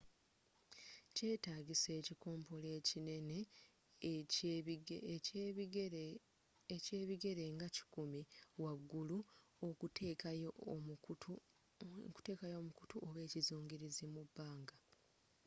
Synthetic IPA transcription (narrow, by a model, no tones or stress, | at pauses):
ce̞ːtaːɡise̞ːciko̞ːmpo̞le̞ːcine̞ne̞ | ece̞ːβiɡe̞ɾe̞ŋɡaci̥kumiwaɡːuluok | ku̥te̞ːkajo̞ːmuku̥tuʔoβe̞ːcizuːŋɡiɾizimubːaːŋɡa